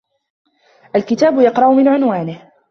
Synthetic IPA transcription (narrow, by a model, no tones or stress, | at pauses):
ʔalkɪt̪aːbʊjɑqɾˤɑʔʊmɪnʕʊnwaːnɪh